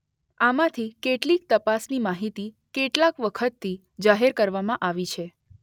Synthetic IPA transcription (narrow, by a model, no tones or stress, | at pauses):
amãt̪ʰikeʈlik̚t̪əpasnimaɦit̪i | keʈlakʋəkʰət̪ʰːi | d͡ʒaɦeɾkəɾʋamãʔaʋit͡ʃʰe